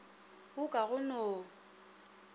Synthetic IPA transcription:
bʊkʼaɣʊnoː

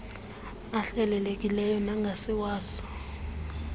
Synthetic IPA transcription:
aɬɛlɛlekʼilɛjɔnaŋɡʱasiwaːsɔ̥

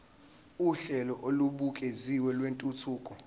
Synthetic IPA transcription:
uɬɛlɔʔoluɓukʼeziwɛlwentʼutʰuːkʼɔ

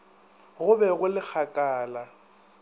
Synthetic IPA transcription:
ɣʊbɛɣʊlɪk͡xʰakʼaːla

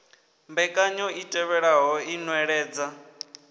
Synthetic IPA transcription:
mbɛkʼaɲɔitʼɛβɛɺaɦɔinwɛɺɛːd͡za

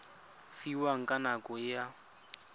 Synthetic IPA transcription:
fiwaŋ̩kʼanakʼɔja

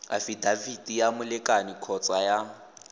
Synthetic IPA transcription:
a̰fidavidijamʊlɪkʼanikʰɔt͡sʼaja

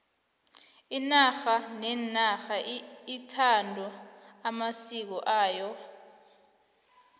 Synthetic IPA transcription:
inaxanɛnaxaitʰandʱɔamasik̬ɔʔaːjɔ

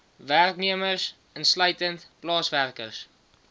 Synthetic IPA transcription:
værkniəmərs | ənslœɥtəntplɑːsværkə̰rs

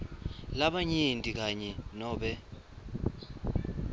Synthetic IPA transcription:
laɓaɲintʼik̬aɲɛnɔːɓɛ

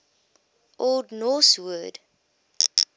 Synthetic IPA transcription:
ʔoldnɔswəd

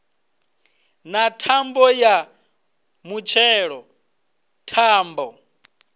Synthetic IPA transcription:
natʰambɔja | mut͡ʃʰɛɺɔ | tʰaːmbɔ

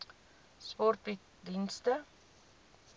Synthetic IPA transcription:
spɔrti | dinstə

